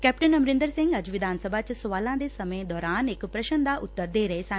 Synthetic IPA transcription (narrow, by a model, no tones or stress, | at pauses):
kɛːp̚ʈənɐmɾɪ̃nd̪əɾsɪ̃ŋɡɐd͡ʑʋɪd̪ʱaːnsəbʱat͡ɕsʋaːlãd̪esɐməd̪ɔːɾaːnekpɾɐʃənd̪ʱaʔʊt̪ːəɾd̪eːɾɐɦesãː